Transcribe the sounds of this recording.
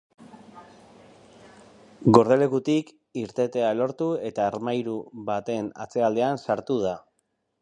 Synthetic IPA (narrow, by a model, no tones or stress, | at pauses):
ɡo̞ɾðe̞le̞kut̪ik | iɾt̪e̞t̪e̞aelo̞ɾt̪ue̞t̪aːɾmajɾuβat̪e̞na̰t͡se̞ald̪e̞ansaɾt̪uð̞a